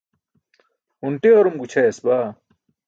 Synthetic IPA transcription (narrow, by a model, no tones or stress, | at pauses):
unʈeoɾumɡut͡ɕʰɐesbaː